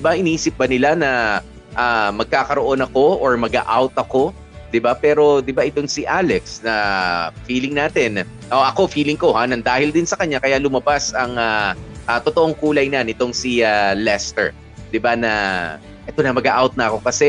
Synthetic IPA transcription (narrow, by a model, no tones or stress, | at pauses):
ɪbaʔɪniːsɪp̚bɐnɪlanɐ | ʔamɐɡ̚kaːkɐɾo̞ʔo̞nɐko̞ʔoɹmɐɡa̰ʔawt̪ɐko̞ | d̪̥ɪbapɛːɾo̞d̪ɪbaʔɪt̪o̞ŋsɪʔaːlɛksnɐfiːlɪŋnaːt̪ɛn | ʔoʔɐko̞fiːlɪŋko̞hanɐŋd̪aːhɪld̪ɪnsɐkɐɲakɐjalʊmɐbasɐŋaʔɐt̪ot̪o̞ʔoŋkuːlɐjnɐnɪt̪o̞ŋsialɛst̪ɛ̰ɹ | d̪ɪbanɐ | ʔɛt̪o̞nɐmɐɡaʔawt̪̚nɐɐko̞kɐsɛ